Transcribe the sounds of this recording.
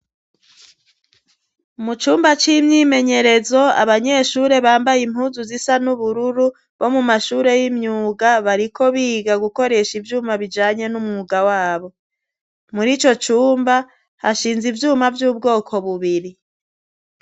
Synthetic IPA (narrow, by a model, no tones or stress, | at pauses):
mut͡ʃuːmbat͡ʃimɲiːme̞ɲe̞ɾe̞zo̞a̰βaɲe̞ʃuːɾe̞βaːmbajimhuːnzuzisanuβuɾuɾu | βo̞mumaʃuːɾe̞jimɲuːɡaβaɾikʰo̞βiːɡaɡuko̞ɾe̞ʃivjuːmaβid͡ʒaːɲe̞numŋuɡawaːβo̞ | muɾit͡ʃo̞t͡ʃuːmba | haʃiːnzivjuːmavjuːb̚ɡo̞ːkʰo̞βuβiɾi